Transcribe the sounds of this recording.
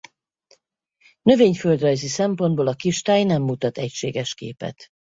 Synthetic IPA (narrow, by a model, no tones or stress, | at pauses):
nø̞veːɲføld̪rɒjzisɛmpo̞nd̪boːlɒkiʃt̪aːjnɛmːut̪ɒt̪ɛcʃeːɡɛʃkḛːpɛ̰t̪